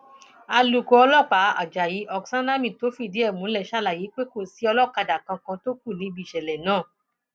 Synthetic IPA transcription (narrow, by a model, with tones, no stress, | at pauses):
a˧lu˨ko˨˧ɔ˧lɔ˦˨k͡pa˨˦a̰˨d͡ʒa˨ji˨˦ʔɔ˨ksa˦na˦mĩ˦˨to˨˦fi˧˨di˨˦ɛ˦˨mũ˨˦lɛ˦˨ʃa˦˨la˨ji˨˦k͡pe˦ko˦˨si˨˦ɔ˧lɔ˦˨ka˧da˨kã˧kã˧to˦k̚u˦˨nĩ˨˦bi˦˨ʃɛ˨lɛ˨nãː˦˨